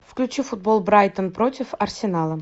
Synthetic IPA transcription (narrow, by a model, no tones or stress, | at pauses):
fklʲʉt͡ɕifʊd̪̚bolˠbɾajt̪ənpɾotʲɪfɐrsʲɪnalˠə